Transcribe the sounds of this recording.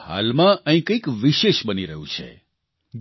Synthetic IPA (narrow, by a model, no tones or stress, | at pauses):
ɦa̰lmãə̃ɦĩkəikʋiʃeʃbəniɾəɦṵ̃t͡ʃʰḛ